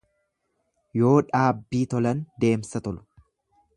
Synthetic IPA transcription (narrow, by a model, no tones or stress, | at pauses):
jo̞ːᶑaːbːiːt̪ɔlɐnd̪e̞ːmsɐt̪ɔlʊ̥